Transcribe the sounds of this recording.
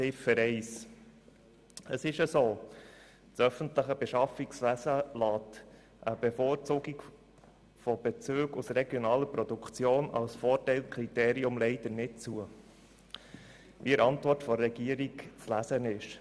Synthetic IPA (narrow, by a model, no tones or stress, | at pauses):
ɪfəɾɛɪs | əsɪʃəsoː | t͡sœfəntləχəb̥ɛʃɑfiksʋæsəlɑːt | ʔəb̥efoːɾt͡suːɡik | fɔb̥ɛt͡søːɡusɾɛɡjɔnɑːləɾpɾɔd̪ukʰt͡sjoːnɑ̰lsfɔːrtɛɪlkʰɾiteːɾiʊmlɛɪd̥ənɪt̚t͡suə | ʋiəɾɑntvʋɔrtfɔɾːɛɡ̥iəɾikt͡slæsənɪʃ